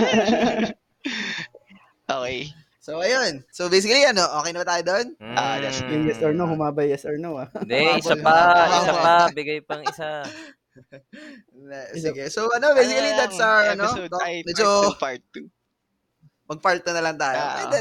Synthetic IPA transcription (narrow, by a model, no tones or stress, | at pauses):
ʔoːkej | sowʔɐjonsobejsɪkɐliɐno̞ʔo̞ːkɛjnɐbɐt̪aːjod̪onad̪ɐjɪŋjɛst̪ɔɹnohʊmaːbɐjɛsɔɹnoadɛɪsalɐahsaaɐbɪɡɐjpɐŋɪsa | sɪɡɛsoʔɐno̞bejsɪkɐlid̪ɐt̪sɐɐnomɛd͡ʒop | mɐɡ̚paɹt̪̚ːɐnɐlɐŋt̪aːjjoɐ̰d̪ɛ